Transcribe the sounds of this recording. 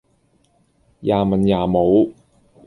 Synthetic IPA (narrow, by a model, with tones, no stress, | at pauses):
jaː˨mɐ˨njaː˨˩mo˨˧w